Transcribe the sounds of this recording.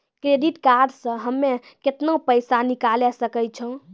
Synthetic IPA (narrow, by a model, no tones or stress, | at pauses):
kɾeɖiʈkaɾɖsə̃ɦəmːe | ket̪nopəjsanikalɛsəkəjt͡ʃʰə̃